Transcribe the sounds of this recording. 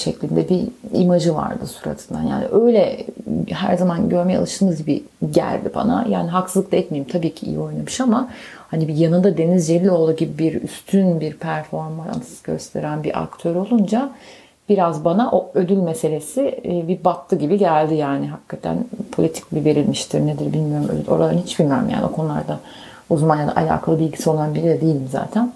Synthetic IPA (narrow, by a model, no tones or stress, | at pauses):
ʃɛclʲind̪ɛbiḭmad͡ʒɯva̰ɾd̪ɯsuɾa̰t̪ʰɯ̥nd̪a̰nja̰ːnḭʔøjlʲɛ | ɦæɾzamanɟø̞ɾmejɛa̰lˠɯʃt̪ʰɯːmɯzɟibi | ɟæ̰lʲd̪iba̰na̰ja̰ːniɦaksɯzˠɯkt̪ˠaɛt̪mejimt̪ʰabiːcʰiḭjḭo̞jnamɯʃamahanibijanɯnd̪ad̪e̞nizd͡ʒelʲiːio̞lˠaɟibibiɾy̰st̪ʰynbiɾpʰæɾfo̞ɾma̰nsɟ̥ø̰st̪ʰe̞̰ɾænbiʔa̰kt̪ʰø̞ɾo̞lˠund͡ʒa | b̥iɾazbanaʔoød̪ylʲmese̞lʲe̞sɪbibat̪ʰːɯɟibiɟælʲd̪ijaːniɦakʰːat̪ʰæ̰npʰo̞lʲit̪ʰi̥cbive̞ɾilʲmiʃt̪ʰiɾned̪iɾbilʲmijo̞ɾumø̰d̪ylʲʔo̞̰ɾad̪ˠanhit͡ʃbilʲmijo̞ɾumja̰ːnio̞kʰonulˠa̰ɾd̪a | uzmanjad̪a̰ʔa̰lʲa̰ːkʰalˠɯbilʲɟisio̞lˠanbiɾid̪ɛd̪ejilʲimza̰ːt̪ʰæn